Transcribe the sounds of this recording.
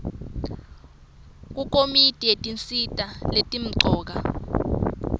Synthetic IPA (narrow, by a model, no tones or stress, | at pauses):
k̬uk̬ʼomitʼietʼint͡sʼitʼaletʼim̩ǀʱɔːk̬a